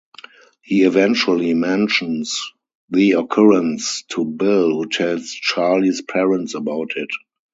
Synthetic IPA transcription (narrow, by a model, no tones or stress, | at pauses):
hiːivɛ̃nt͡ʃuəlimɛ̃nʃə̃ns | ðiɔkʰɔɹə̃nstʰubɪlhutʰɛlst͡ʃalispʰɛɹə̃nsəbaʊtʰɪt